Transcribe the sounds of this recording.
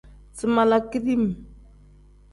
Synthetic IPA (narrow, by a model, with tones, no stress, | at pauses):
t͡si˦˨ma˨la˨ki˦ɾi˦m˨